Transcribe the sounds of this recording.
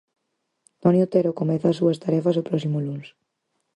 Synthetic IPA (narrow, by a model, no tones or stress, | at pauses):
t̪ɔnjot̪eɾokomɛθaːsuɐst̪aɾɛfɐsopɾɔsimʊluns